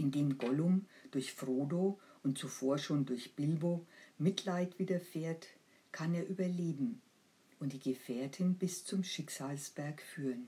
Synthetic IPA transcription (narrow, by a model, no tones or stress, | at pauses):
ʔɪndeːmɡɔlʊmd̥ʊɐçfʁoːdoːʔʊnt̚t͡sufoːɐʃoːndʊɐçb̥ɪlboːmɪtʰlaɪtv̥iːdɐfeːɐt | kʰaneːɐʔyːbɐleːbm̩ | ʔʊntd̥iːɡəfeːɐtʰɪnbɪst͡sʊmʃɪkz̥aːlsb̥ɛɐkfyːʁən